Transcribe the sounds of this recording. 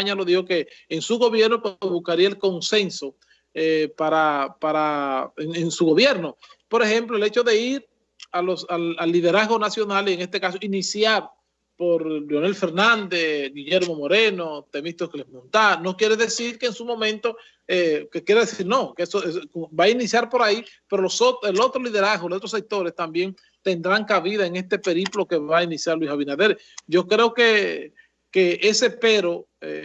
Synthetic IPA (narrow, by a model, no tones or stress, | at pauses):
aɲalo̞ðihoke̞ːŋsuɣo̞βje̞ɾnopwezβuskaɾiaelko̞nse̞nso̞ | epaɾapaɾaeŋensuɣo̞βje̞ɾnopo̞ɾexe̞mploele̞t͡ʃo̞ðe̞iɾ | alosalalːiðe̞ɾazɣo̞nasjo̞nalieŋe̞st̪e̞kaso̞inisjaɾ | po̞ɾljonelfe̞ɾnãnd̪esɡiʝeɾmo̞mo̞ɾe̞not̪e̞mist̪ohkelesmõnt̪anokjeɾeðesiɾkeŋsumõ̞mẽnt̪o̞ | ekekjeɾeðesiɾnokesoebainisjaɾpo̞ɾaipe̞ɾolosot̪elo̞t̪ɾoliðe̞ɾazɣolot̪ɾos̬ek̚t̪o̞ɾe̞st̪ambje̞ŋ | t̪e̞nd̪ɾaŋkaβiðaeŋe̞st̪e̞pe̞ɾiplo̞ke̞βainisjaɾlwisaβinaðe̞ɾ | ɟ͡ʝo̞kɾe̞o̞ke | keʔese̞pe̞ɾo̞ḛ